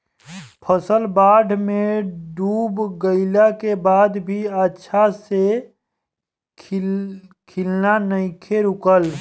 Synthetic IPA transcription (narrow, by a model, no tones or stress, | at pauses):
pʰəsəlbaːɖʱmẽɖuːbɡəɪlakebaːd̪bʱiətːʃʰase | kʰɪlnanəɪkʰeɾʊkəl